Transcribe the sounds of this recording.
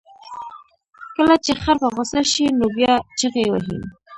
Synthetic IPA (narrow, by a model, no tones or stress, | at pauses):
kəlat͡ʃexaɾfaɣʊsaʃinobjɑt͡ʃəɣewa̰ɦḭn